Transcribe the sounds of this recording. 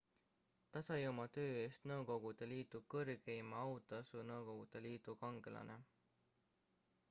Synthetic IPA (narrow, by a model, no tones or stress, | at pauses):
t̪ɑsɑjomɑt̪øːe̞ːst̪nɤwko̞ɡ̥ud̪̥e̞liːt̪ˑukɤrkejmɑɑwt̪ˑɑsunɤwko̞ɡ̥ud̪̥e̞liːt̪ukɑŋɡelʔɑ̰nʔe̞̰